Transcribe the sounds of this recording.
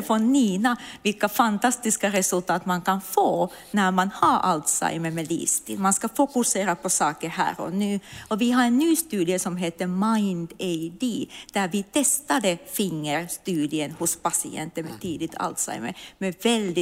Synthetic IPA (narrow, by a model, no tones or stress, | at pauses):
fɔniːnavɪlkafant̪ɑst̪ɪskaɾɛsɵlt̪ʰɑːt̪mankʰɑnfoː | næɾmanhɑɾʔa̰lt̪sa̰ɪməmɛlḭːst̪ɪ̰lmanskɑfʊkʉseːɾapʰɔsɑːkəɾhæ̰ːɾɔ̰nʉːɔvɪɦɑɾɛnːyːst̪ʉːd̪ɪəsɔmɦeːt̪ːəmaɪnd̪aɪd̪iːd̪̥æɾvɪt̪ʰɛst̪ad̪əfɪŋːəɾst̪ʉːd̪ɪənhʊspasɪɛ̰nt̪əmɛt̪ʰiːd̪ɪt̪ʰa̰lt̪sa̰ɪmə̰ɾmɛvɛld̪ɪ